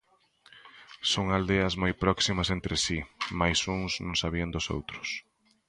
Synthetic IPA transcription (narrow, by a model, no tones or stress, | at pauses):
soŋald̪eɐzmojpɾɔksimɐsent̪ɾɪsimajsuŋsnõŋsaβiɐnd̪ʊso̰wt̪ɾʊs